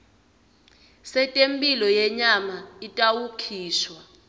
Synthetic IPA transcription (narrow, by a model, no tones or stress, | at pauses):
sɛtʼempʼilɔjɛɲamaitʼawukʰiːʃwa